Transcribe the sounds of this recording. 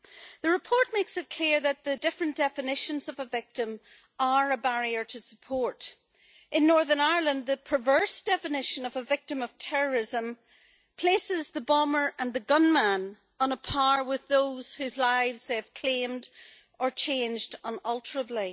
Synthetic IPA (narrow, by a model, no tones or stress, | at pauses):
ðəɹɨpʰɔɹt̚meksɨt̚kʰl̥iɹðət̪̚ðɨdɪfɹə̃nd̥ɛfɨnɪʃə̃nzʌvəvɪk̚tə̃m | ə˞əbaɹiə˞ɾʰəsə̥pʰɔɹɾ | ʔɪ̃nːɔɹðə˞naɪə˞lˠə̃n̚ðəpʰɹ̥ə˞vɜ˞sd̥ɛfɨnɪʃə̃nʌvəvɪk̚tə̃mʌv̥tʰɛɹə˞ɪzə̃m | pʰl̥esɪzðəbɔmə˞ʔə̃nðəɡʌ̃nmãn | ə̃nəpʰaɹwɪðoz̥hʉzlaɪvz̥ɪv̥kʰl̥ẽmd | ʔə˞t͡ʃʰẽnd͡ʒdʌ̃nʌlˠtʰə˞əblˠi